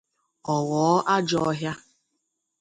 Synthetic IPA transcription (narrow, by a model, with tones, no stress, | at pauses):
ɔ˨wɔ˨˦ʔa˦d͡ʒɔ˦ɦja˦